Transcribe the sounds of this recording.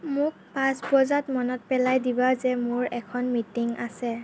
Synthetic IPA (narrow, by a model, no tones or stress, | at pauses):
mʊk̚pãspɔzatmɔnɔt̚pɛlajdibazɛmʊɹɛkʰɔnmitiŋa̰sɛ